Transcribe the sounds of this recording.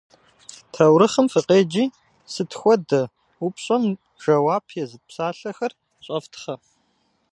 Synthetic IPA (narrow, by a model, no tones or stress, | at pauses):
tʰɐwɾɨχəmfɨqʼeːd͡ʒiː | sɨtʰxʷɔdɐ | upɕʼɐm | ʒ̥ɐwaːpʰjɛzɨpsaːɬɐxɐr | ɕʷʼɐftʰχɐ